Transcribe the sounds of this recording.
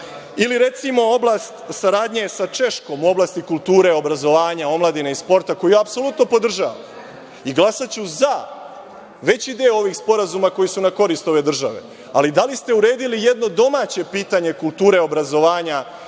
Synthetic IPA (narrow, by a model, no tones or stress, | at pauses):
iliɾe̞t̪simo̞o̞blˠast̪saɾaːd̪ɲesat͡ʃe̞ʃko̞muo̞blaːst̪ikulˠt̪uːɾe̞o̞bɾazo̞ʋaːɲao̞mlad̪ineispo̞ɾt̪ako̞jujaːpso̞lut̪no̞po̞d̪r̩ʒa̰ʋa̰m | iɡlˠasat͡ɕuza | ʋe̞t͡ɕid̪eoo̞ʋiːxspo̞ɾazumako̞jisunako̞ɾiːst̪o̞ʋe̞d̪r̩ʒa̰ʋe̞̰ | alid̪alist̪e̞uɾe̞ːd̪ilije̞d̪no̞d̪o̞mat͡ɕe̞piːt̪aɲe̞kulˠt̪uːɾeo̞bɾazo̞ʋaːɲa